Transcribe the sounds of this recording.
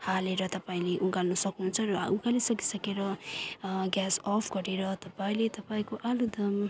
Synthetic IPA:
haleɾʌt̪ʌpaĩleʔuɡalnʌsʌknɦunt͡sʰʌɾʌ̰ukalesʌki̥sʌkeɾʌ | ɡjasɔpʰɡʌɾeɾʌt̪ʌpaĩlet̪ʌpaĩkoʔalud̪ʱʌm

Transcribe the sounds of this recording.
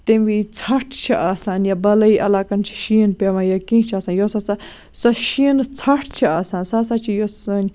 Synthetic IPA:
t̪embit͡sʰɐʈʰt͡ʃʰiʔaːsaːnjaːbɐlɐiːʔɐlaːkɐnt͡ʃʰi̥ʃiːnpeʋãnjakĩːt͡ʃʰaːsaːnjosɐsa | sɐʃiːnt͡sʰɐʈʰt͡ʃʰiaːsaːnsaːs̬aːt͡ʃʰijosɐn

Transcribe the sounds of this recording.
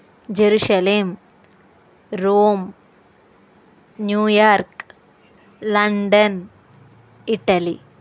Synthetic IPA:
d͡ʑeɾuʂɐleːm | ɾoːm | njuːjaːɾk | lɐɳɖɐn | iʈːɐlḭ

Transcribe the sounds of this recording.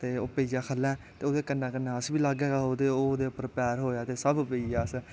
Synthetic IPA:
t̪eːoːpeːd͡ʒãːkʰəlːɛ̃ː | t̪eːoːd̪eːkənːãːkənːãːəsbiːlaːɡɛːɡaoːd̪eːoːd̪eːʊpːəɾpɛːɾɦoːjaːt̪eːsəbpeid͡ʒaːəs

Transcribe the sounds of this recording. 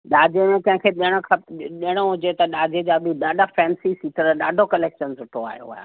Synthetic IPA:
ɗaːd͡ʑemẽkɐ̃ɦɪ̃kʰeːɗɽ̃okʰɐɗɪəɽ̃oɦʊd͡ʑet̪ɐɗaːd͡ʑed͡ʑaːbɪɗaːɖʱafɛːnsisiːt̪ʰəɾɗaːɖʱokɐleːkʃənzʊʈʰoa̰ːɦijo̰ɦa̰ːja̰

